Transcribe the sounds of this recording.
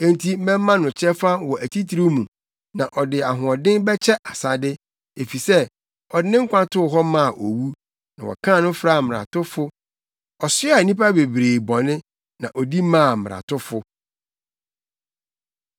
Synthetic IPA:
ẽ˨n˨tʰi˨˦mɛ̃˦mː˦ã˦nʊ̃˨t͡ɕʰɛ˦fa˦wɔ˨ʔæ˨tʰi˦tʰi˨ɾi˦mũ˨ | nã˨ʔɔ˨dɪ˨a˨ɦʊ̃˨ɔ˨dɪ̃˦bɛ˦t͡ɕʰɛ˦ʔa˨sa˦dɪ˦ | e˨fi˨sɛ˦ | ɔ˨dɪ˨˦nɪ̃˦ŋ̩˦kʷʰã˦tʰʊ˦˨ɦɔ˦mã˦˨ʔo˨wu˦ | nã̰˨wɔ̰˨kʰã˦˨nʊ̃˦fɾa˦˨m̩m˨ɾa̰˨tʊ˦fʊ˦ | ɔ˨sɪ˦a˨nĩ˦pa˦be˨bɾeː˨bɔ˨nɪ̃˦ | nã˨ʔɔ˨di˦mãː˦˨mɪ˨ɾa̰˨tʰʊ˦fʊ˦

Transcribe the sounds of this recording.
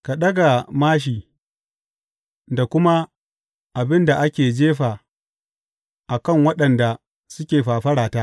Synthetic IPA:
ka˨ɗɐ˦ɡa˨maː˦ʃ̬iː˨ | da˨kʷʊ˦ma˦ | ʔa˨bɪ˦nda˨ʔa˦kʲeː˨d͡ʒeː˦ɸaː˨ | ʔa˨kɐ˦˨ŋwɐ˦ɗɐ˨nda˨ | sʊ˦kʲeː˨ɸaː˨ɸɐ˦ɽaː˨taː˦ʔ

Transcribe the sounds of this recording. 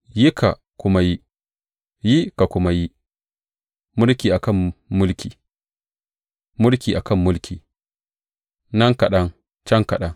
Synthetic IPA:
ji˦kʰa̰˨ | kʷʊ˦ma˦ji˦ | ji˦ka˨kʷʊ˦ma˦ji˦ | mʊ˦lkʲiː˨ʔa˨kɐ˦˨mːʊ˦lkʲiː˨ | mʊ˦lkʲiː˨ʔa˨kɐ˦˨mːʊ˦lkʲʰiː˨ | nɐ˦ŋka˨ɗɐ˦ŋ | t͡ʃɐ˦ŋka˨ɗɐ˦ŋ

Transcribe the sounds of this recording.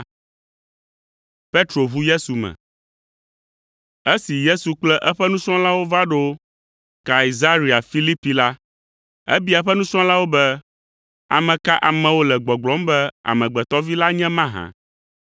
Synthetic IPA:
pe˦t̪ɾo˨βu˦je˦su˨mɛ̰̃˨ | ɛ˦si˨je˦su˨k͡plɛ˦ʔɛ˦ɸɛ˦nũ˦t͡ʃɔ̃˦la˦wo˦va˦ɖo˦ | ka˨i˨za˦ɾi˨a˨fi˦li˦pi˨la˦ | ɛ̰˦bi˦ɛ˦ɸɛ˦nũ˦t͡ʃɔ̃˦la˦wo˦bɛ˦ | a̰˨mɛ̃˨ka˦ʔa˨mɛ̃˨wo˦lɛ˨ɡ͡bɔ˨ɡ͡blɔ˦mbɛ˦a̰˨mɛ̃˨ɡ͡bɛ˨t̪ɔ˦vi˦la˦ɲɛ̃˦mã˦ɦã̰˦

